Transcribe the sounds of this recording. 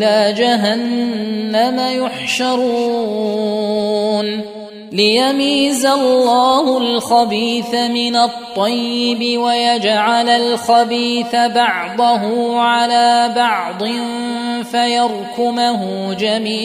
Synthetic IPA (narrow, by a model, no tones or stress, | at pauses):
laːd͡ʒaɦanː | amajʊħʃɑɾˤuː | n | lɪjamiːzalːɑːhʊlxabiːθamɪnat̪ˤːɑjːɪbɪwajad͡ʒʕalalxabiːθabɑʕd̪ˤɑɦʊʕalaːbɑʕd̪ˤɨn | fajɑɾˤkʊmaɦʊd͡ʒamiː